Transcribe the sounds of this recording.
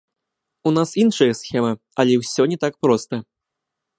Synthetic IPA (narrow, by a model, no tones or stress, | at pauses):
unasinʂɐjɐsxʲɛmɨ | ɐlʲɛwsʲɔnʲɛt̪ak̚pɾɔst̪ɐ